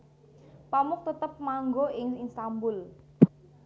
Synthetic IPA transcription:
pamʊk̚t̪ət̪əp̚maŋɡoɪŋɪnst̪ambʊl

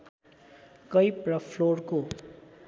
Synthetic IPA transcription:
kʌjprʌpʰlorko

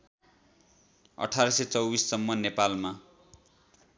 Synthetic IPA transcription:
ʌ̰ʈʰaɾʌset͡sʌwbissʌmːʌnepalma

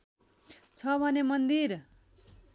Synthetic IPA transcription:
t͡sʰʌbʱʌnemʌnd̪ir

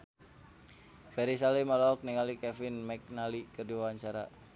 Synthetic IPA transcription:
bɛɾis̬alimɔlɔɔk̚niŋalikɛfɪnmɛk̚nalikərdiwawaɲt͡ʃaɾa

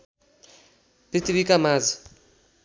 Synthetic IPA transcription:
pitiβikamaːd͡zi̥

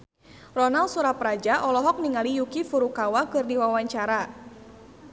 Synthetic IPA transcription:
rɔnalsuɾaprad͡ʒaʔɔlɔɦɔk̚niŋalijukifuɾukawakɨrdiwawaɲt͡ʃaɾa

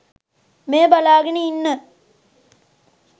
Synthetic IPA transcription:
meːbɐlaːɡɐniinːə

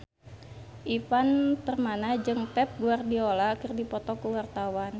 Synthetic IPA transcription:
ʔifant̪ərmanad͡ʒɨŋpɛp̚ɡuardiolakərdipɔt̪ɔkuwart̪awan

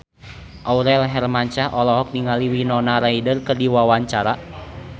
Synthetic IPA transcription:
ʔauɾɛlɦɛrmaɲt͡ʃaʔɔlɔɦɔk̚niŋaliwinɔnaɾaidərkɨrdiwawaɲt͡ʃaɾa

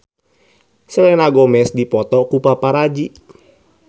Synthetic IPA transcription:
sɛlɛnaɡɔmɛsdipɔt̪ɔkupapaɾad͡ʒi

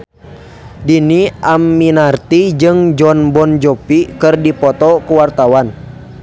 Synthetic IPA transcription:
diniʔamːinart̪id͡ʒɨŋd͡ʒɔnbɔnd͡ʒɔpikɨrdipɔt̪ɔkuwart̪awan

